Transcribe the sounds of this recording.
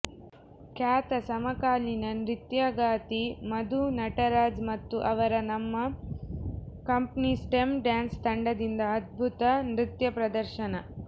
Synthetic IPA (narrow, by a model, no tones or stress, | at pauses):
kaːt̪ɐsɐmɐkaːlinɐnɾit̪jaɡaːt̪imɐd̪unɐʈɐɾaːd͡ʒmɐt̪ːuʔɐʋɐɾɐnɐmːɐ | kɐmpnisʈemɖjaːnst̪ɐɳɖɐd̪ind̪ɐːd̪̚bʱut̪ɐnɾit̪jɐpɾɐd̪ɐɾʃɐnɐ